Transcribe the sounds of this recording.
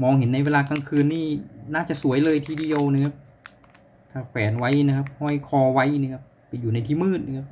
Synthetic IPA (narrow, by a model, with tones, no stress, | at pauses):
mɔː˧ŋhe˩˦nːa˧jweː˧laː˧ka˧ŋkʰɯː˧nːiː˥˩naː˥˩t͡ɕa˨˩su˩˦əjlɤː˧jt̪ʰiː˧di˧əwna˧˩kʰa˦˧˥p̚ | t̪ʰaː˧˩pʰɛː˩˦nwa˦˥jna˧kʰa˧˥p̚hɔː˧˥˩jkʰɔː˧wa˦˥jniː˧˩kʰa˦˧˥pːa˨˩juː˨˩na˧jt̪ʰiː˧˥˩mɯː˥˩t̪̚na˧kʰa˦˧˥p̚